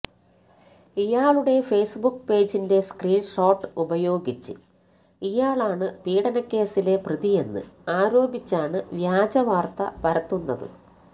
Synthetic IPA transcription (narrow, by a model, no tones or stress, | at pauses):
ijaːɭuɽe̞fe̞ːsbukːpe̞ːd͡ʑinde̞skriːnʂo̞ːʈːɨubɐjo̞ːɡit͡ɕːɨ̰ | ijaːɭaːɳɨpiːɽɐnɐkːe̞ːsile̞prɨðije̞nːɨ̰aːɾo̞ːbit͡ɕːaːɳɨʋjaːd͡ʑɐʋaːrt̪ɐ̰pɐɾɐt̪ːunːɐðɨ̰